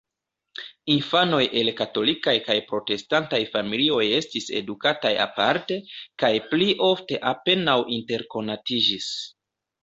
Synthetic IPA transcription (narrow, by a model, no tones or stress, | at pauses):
infano̞jʔe̞lkato̞likajkajpɾo̞te̞stantajfamilio̞je̞stise̞̰dukataja̰paɾte̞kajpliʔo̞fte̞ʔape̞nawʔinte̞ɾko̞natid͡ʒis